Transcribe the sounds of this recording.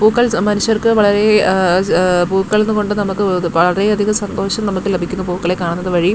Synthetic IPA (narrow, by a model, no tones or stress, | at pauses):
puːkːɐɭmɐnuɕjɐrkɨʋɐɭɐɾe̞ | puːkːɐɭenːuko̞ɳɖɨnɐmukːɨʋɐɭɐɾe̞ɐd̪ʱiɣɐsɐnd̪o̞ːɕɐmnɐmukːɨlebʱikʲːunːupuːkːɐɭekːaːɳunːɐðɨʋɐɻi